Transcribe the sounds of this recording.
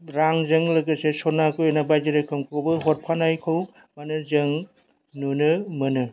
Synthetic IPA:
ɾaŋzɯŋlɐɡɯsesɔnakoenabajd͡ʒiɾajkʰɯmkʰowbɯɦɔt̚pʰanajkʰɯw | manɯzɯŋ | nunɯmɯnɯ

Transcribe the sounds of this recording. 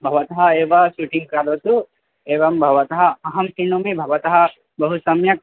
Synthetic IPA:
bʱɐʋɐt̪ɐɦɐeːʋɐʃuʈiŋɡ̚kɐɾɐt̪u | eːʋɐmbʱɐʋɐt̪ɐɦɐɐɦɐmsiɳomebʱɐʋɐt̪ɐɦɐ | bɐɦusɐmjɐk̚

